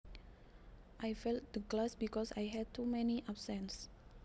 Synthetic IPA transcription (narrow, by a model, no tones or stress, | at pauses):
ʔajfɛlt̚dəklasbikɔsa̰jɦɛd̚t̪umɛniʔabsɛ̃ns